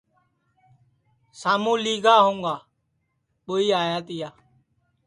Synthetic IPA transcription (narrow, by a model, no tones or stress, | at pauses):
saːmũːliːɡaːɦõːŋɡaː | ɓʊiːaːjaːt̪ɪjaː